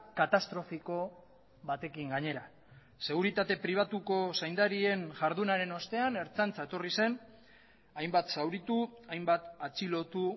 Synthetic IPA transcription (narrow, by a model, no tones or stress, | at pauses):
kat̪ast̪ɾo̞fiko̞ | βat̪e̞kiŋɡaɲe̞ɾa | se̞ɣ̞uɾit̪at̪e̞pɾiβ̞at̪uko̞sajnd̪aɾie̞nʝaɾðunaɾe̞no̞st̪e̞ane̞ɾt͡sant͡saet̪o̞rise̞n | ajmbat̪sawɾit̪uajmbat̪at͡silo̞t̪u